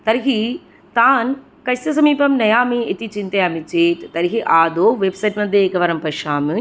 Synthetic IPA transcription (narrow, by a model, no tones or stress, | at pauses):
t̪ɐɾɦi | t̪aːn | kɐsɐs̬ɐmiːpɐmnɐjaːmiet̪it͡ʃint̪eɐmit͡ʃeːʈt̪ɐɾiɦiʔaːd̪oːʋebsɐjʈmɐd̪ʱjeːkɐʋɐɾɐmpɐʃaːmɨ